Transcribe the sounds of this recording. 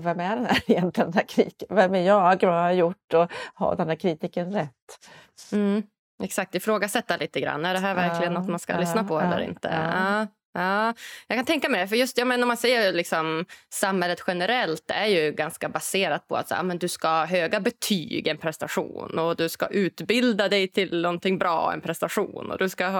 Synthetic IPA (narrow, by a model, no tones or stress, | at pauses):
vɛmæɖɛnd̪æɾɪjɛnt̪lɪd̪æːɾkʰɾiːkəvɛmæɾjɑːɡvaaɾjʊʈːɔhɑ̰d̪ɛnæːɾkʰɾit̪iːkənɾɛt̪ːm̩ | ɛksak̚t̪ɪfɾoːɡasɛt̪ːalʔiːt̪əɡɾa̰nːæɖɛɦæɾvæɾklɪɡənːɔt̪manska̰lʏsnapʰɔɛ̰lːə̰ɾɪ̰nt̪ə̰ɑː | jɑːkʰant̪ʰɛŋkamɛd̪ɛfœɾjɵst̪jɑːmɛnːɔɾmansɛjːəlɪksɔmsamhɛlːət̪ɧɛnəɾɛlt̪æɾjɵɡanskabaseːɾat̪̚pʰɔ̰a̰t̪sːjɑːmɛnd̪ɵskahɦøːɡabɛt̪ʰy̰ːɡɛnpʰɾɛst̪aɧṵːnɔd̪ɵska̰ʔʉ̟ːt̪bɪld̪ad̪ɛjt̪ʰɪlnɔnt̪ɪŋbɾɑ̰ːɛ̰npʰɾɛst̪aɧṵːnɔ̰d̪ɵskaɦ